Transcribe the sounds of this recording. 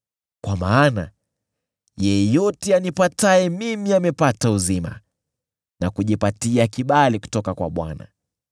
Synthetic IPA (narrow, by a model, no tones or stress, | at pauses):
kwamaːna | jɛjɔtɛanipataɛmimiamɛpatauzima̰ | nakuʄipatiakiɓaliku̥tɔkakwa̰ɓwa̰na̰